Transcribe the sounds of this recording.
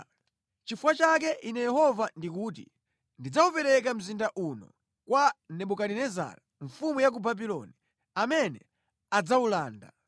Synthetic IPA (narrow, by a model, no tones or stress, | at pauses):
t͡ʃifuwat͡ʃakɛʔinɛjɛhɔvandik̬uːtḭ | ndid͡zaupɛɾɛk̬am̩zindaʔunɔ̰ | kwanɛɓukaninɛza̰ɾaɱfumujak̬ubabilɔni | amɛnɛ̰ | ad͡zaulaːnda̰